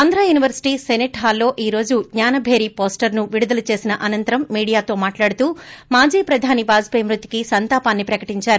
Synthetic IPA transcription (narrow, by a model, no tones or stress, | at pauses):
ɐnd̪ɾaːjuːniʋɐɾsi̥ʈiːseneʈɦaːlːo̞ːʔiːɾo̞ːd͡ʒuɡɲaːnɐbʱeːɾipo̞ːsʈɐɾnuʋiɽud̪ɐlut͡ʃe̞ːsinɐʔɐnɐnt̪ɐɾɐmːiːɽijaːt̪o̞ːmaːʈlaːɽut̪uːmaːd͡ʒiːpɾɐd̪ʱaːnibaːd͡ʒpejmɾut̪i̥kisɐnt̪aːpaːnːipɾɐkɐʈiɲt͡ʃaːɾu